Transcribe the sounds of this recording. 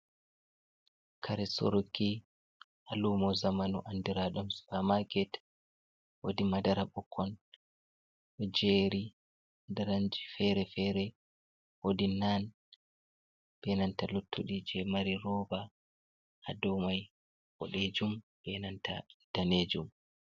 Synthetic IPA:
kʰaɾɛso̰ɾukːi | ʔalumɔzamanṵʔandiɾaɗumspamaɡɛt | wodimadaɾaɓɔkʰːɔn | ʔɔd͡ʒeɾi | daɾaɲd͡ʒifɛɾɛfɛɾɛ | wodinan | b̥ɛnantalutʰːuɗid͡ʒɛmaɾiɾɔːba | ha̰dɔwmaj | wɔɗed͡ʒum | b̥ɛnanta̰d̥aned͡ʒum

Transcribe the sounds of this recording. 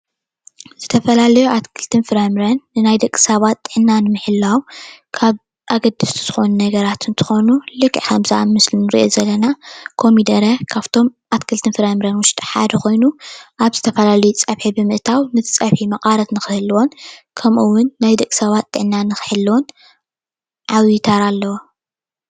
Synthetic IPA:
z̥ɨt̪ʰɐfɐlalɐjuʔat̪kʰɨlt̪ʰɨnfɨɾajmɨɾɐnːɨnajd̪ɐkʼːɨ̥sɐβat̪ʼːɨʕnːanɨmɨħɨlːawkʰaβ | ʔaɡɐd̪ɨst̪ʰu̥z̥ɨxo̞nunɐɡɐɾat̪ɨnt̪ʰɨ̥xo̞nulɨkʼːiħamza̰mɨslinɨɾḭʔozɐlːɐnakʰo̞mid̪ɐɾɐkʰaβt̪ʰo̞mʔat̪kʰɨlt̪ʰɨnfɨɾajmɨɾɐnwʊʃt̪ʼiħa̰d̪ɐko̞jnuʔaβzɨt̪ʰɐfɐlalɐjut͡sʼɐβħibɨmɨʔt̪ʰawnɨt̪ʰɨ̥t͡sʼɐβħimɐqʼaɾɐt̪nɨxɨhɨlwo̞nkʰɐmʔɨwʊnːajd̪ɐkʼːɨ̥sɐβat̪ʼːɨʕnːanɨxɨ̥ħɨlːwon | ʕawit̪ʰaɾalːɐwo

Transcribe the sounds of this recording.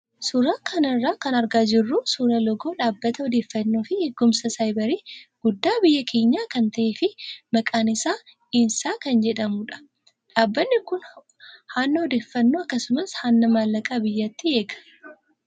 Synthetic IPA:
sʊɾaːkʰɐnɐrːaːkɐnɐɾɡaːd͡ʒɪrːuːsuɾɐlɔɡo̞ːᶑaːbːɐt̪ɐɔd̪e̞ːfːɐnːoːfɪhɛɡːʊmsɐsɐjbɐɾiːɡ̥ʊd̪ːaːbɪjːɐkʰe̞ːɲːaːkɐnt̪ɐʔeːfɪmɐkʼaːnɪsaː | iːnsaːkɐnd͡ʒɛᶑɐmʊᶑɐ̥ | ᶑaːbːɐnːɪkʊn | haːnːɐɔd̪eːfːɐnːoːɐkːɐsʊmɐshaːnːɐmaːlːɐkʼaːbɪjːat̪ːɪe̞ːɡɐ̥

